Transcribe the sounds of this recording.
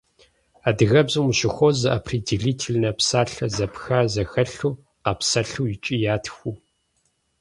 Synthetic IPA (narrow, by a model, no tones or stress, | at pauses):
aːdɨɣɐbzɨmuʃɪxʷɔzɐʔɐpʰridiɮiːtʰilnɐpsaːɬɐzɐpʰxaːzɐxɐɬuː | qɐpsɐɬuːjɪt͡ʃʼiːjaːtʰxʷu